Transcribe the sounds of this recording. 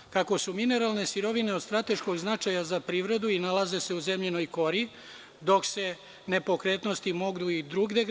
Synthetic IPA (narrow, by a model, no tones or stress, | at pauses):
kako̞sumine̞ɾalˠne̞siɾo̞ʋine̞od̪st̪ɾat̪e̞ʃko̞ɡznat͡ʃajazapɾiːʋɾe̞d̪uinalˠaze̞se̞uze̞mʎeno̞jko̞ɾi | d̪o̞kse̞ | nepo̞kɾeːt̪nost̪imo̞ɡd̪uid̪ɾuɡd̪e